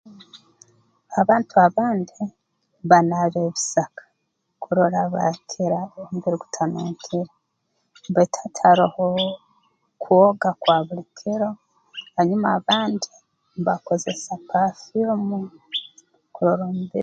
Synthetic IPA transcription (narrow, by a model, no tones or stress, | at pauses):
aβaːntuaβaːndi | βanaβeβisakḁ | kʰuɾoɾaβa̰kʰiɾaomubiɾiɡu̥tʰanuːkʰiɾa | mbatʰḁtʰaɾaho | kʰuoɡakwaːβulikʰiɾo̞ | haɲumaβaːndi | βako̞ze̞sapafilmu | kuɾoɾomubiɾ